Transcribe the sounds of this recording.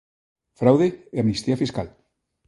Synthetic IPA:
fɾawðeːamnist̪iafiskal

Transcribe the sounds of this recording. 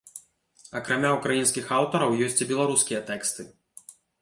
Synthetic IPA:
ɐkɾamʲaukɾajinskʲixawt̪ɐɾɐwjɔsʲt͡sʲibʲɛlˠaɾuskʲijɐt̪ɛkst̪ɨ

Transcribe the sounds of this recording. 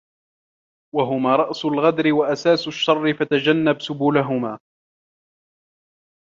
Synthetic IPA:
waɦʊmaːɾˤɑʔsʊlɣɑd̪ɾɪwaʔasaːsʊʃːɑrˤːɪfat̪ad͡ʒanːabsʊbuːlaɦʊmaː

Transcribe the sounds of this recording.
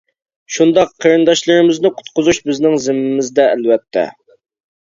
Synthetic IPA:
ʃund̪ɑqʰːəɾɨnd̪ɑʃlˠɨɾɨmɪznɨqʰʊ̥t̪̚qʰʊzuʃbɪznɪŋzɪmːɪmɪzd̪ɛælvɛt̪ʰːɛ̰

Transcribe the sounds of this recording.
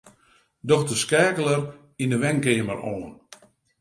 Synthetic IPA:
dɔxdəskɛːkələr | indəʋɛnkɪːəməroːən

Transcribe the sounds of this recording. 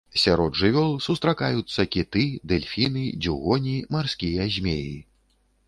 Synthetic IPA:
sʲaɾɔd̪ʐɨvʲɔlˠsust̪ɾakajut̪sːɐkʲit̪ɨd̪ɛlʲfʲinɨd͡zʲuɣɔnʲimarskʲijɐzʲmʲeji

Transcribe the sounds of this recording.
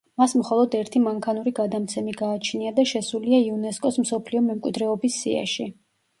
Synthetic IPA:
masmχɔlˠɔd̪ɛɾt̪ʰimaŋkʰanuɾiɡad̪amt̪sʰɛmiɡaːt͡ʃʰniad̪aʃɛsuliaiunɛskʼɔsmsɔpʰliɔmɛmkʼwid̪ɾɛɔbisːia̰ʃi

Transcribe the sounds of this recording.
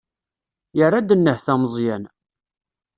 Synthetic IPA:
jərˤːad̪ənːəhθæməzˤjæn

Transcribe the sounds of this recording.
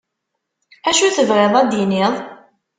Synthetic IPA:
æʃuθəvʁɪðˤæd̪jinɪðˤ

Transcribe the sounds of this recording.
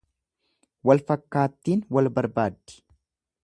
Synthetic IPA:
wɐlfɐkːaːt̪ːiːnwɐlbɐɾbaːd̪ːɪ̥

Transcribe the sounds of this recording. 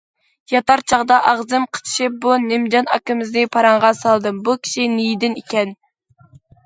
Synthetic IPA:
jɑt̪ɑɾt͡ʃʰɑʁd̪ɑʔɑʁzɨmqʰə̥t͡ʃ̪ʰi̥ʃɪp̚bunɪmd͡ʒɑnɑ̰kʲːɪmɪzd̪ɨpʰɑɾɑɴʁɑsɑlˠd̪ɨmbukʲʰi̥ʃinijd̪ɪnikʲʰɛn

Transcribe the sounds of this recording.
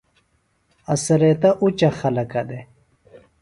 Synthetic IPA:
ɐsɐɾet̪ɐʔut͡ɕɐxɐlɐkɐd̪e

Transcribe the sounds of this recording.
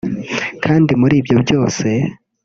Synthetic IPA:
kʰaːndimuɾiːbjo̞bɟo̞ːse̞

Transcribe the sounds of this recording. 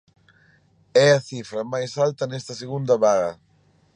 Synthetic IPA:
ɛɐθifɾɐmajsalt̪ɐnɛst̪ɐseɣund̪ɐβaɣɐ

